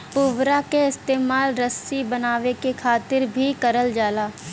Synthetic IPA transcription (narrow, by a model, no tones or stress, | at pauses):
pʊʋɾakeɪst̪eːmaːlɾəsibɐnaːʋekekʰaːt̪ɪɾbʱikɐɾəld͡ʒaːlaː